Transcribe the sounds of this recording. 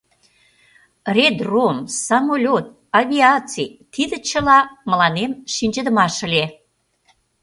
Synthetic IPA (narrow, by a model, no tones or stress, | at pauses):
rʲed̪romsɑmolʲot̪̚ | ɑβʲiɑt͡sit̪id̪ə̆t͡ɕə̆lɑmə̆lɑnemʃinʲd͡ʑə̆d̪ə̆mɑʃə̆lʲe